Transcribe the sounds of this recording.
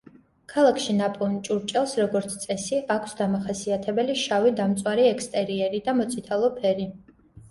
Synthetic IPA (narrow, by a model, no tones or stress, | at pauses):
kʰalˠakʰʃinapʼɔvnt͡ʃʼuɾt͡ʃʼɛlˠsɾɔɡɔɾt̪sʰt̪sʼɛsiʔakʷʰsd̪amaχasiat̪ʰɛbɛliʃavid̪amt̪sʼwaɾiɛkʰst̪ʼɛɾiɛɾid̪amɔt̪sʼit̪ʰalˠɔpʰɛɾi